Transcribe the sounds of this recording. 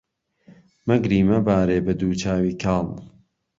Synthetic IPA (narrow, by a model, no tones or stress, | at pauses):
mɐɡɾiːmɐbaːɾeːbɐd̪uːt͡ʃaːwiːkʰaːl